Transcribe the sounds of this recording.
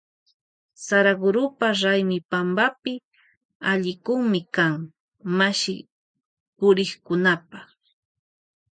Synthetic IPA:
saɾaɡʊɾʊpaɾajmɪpambapɪ | aʎɪkʊŋmɪkaŋ | maʃɪ | pʊɾɪχkʊnapɑ

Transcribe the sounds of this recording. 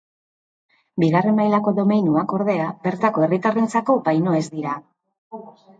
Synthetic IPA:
biɣare̞mmajlako̞ðo̞mejnuako̞ɾð̞e̞abe̞ɾt̪ako̞e̞rit̪arent͡sako̞pajno̞e̞zd̪iɾa

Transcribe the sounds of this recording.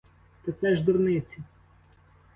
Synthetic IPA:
t̪ɪt̪sɛʒd̪ʊrnɪt͡sʲi

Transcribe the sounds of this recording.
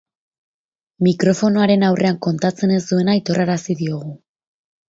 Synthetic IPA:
mikɾo̞fo̞no̞aɾe̞nawrʔe̞aŋko̞nt̪at͡se̞ne̞zd̪ue̞najt̪o̞rʔaɾasiðio̞ɣ̞u

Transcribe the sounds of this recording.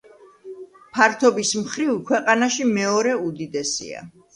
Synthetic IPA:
pʰaɾt̪ʰɔbismχɾivkʰwɛqʼanaʃimɛɔɾɛud̪id̪ɛsḭa̰

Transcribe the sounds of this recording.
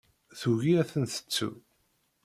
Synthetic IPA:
θuʝiɾæθənθə̥t͡sːṵ

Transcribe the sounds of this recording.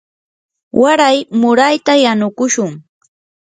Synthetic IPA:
wʔaɾajmʊɾajt̪ajanʊkʊʃʊŋ

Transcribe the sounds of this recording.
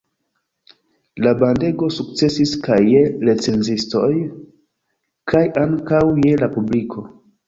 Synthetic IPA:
labande̞ɡo̞suk̚t͡se̞siskajːe̞le̞t͡se̞nzisto̞j | kʰajʔaŋkawje̞lapublikʰo̞

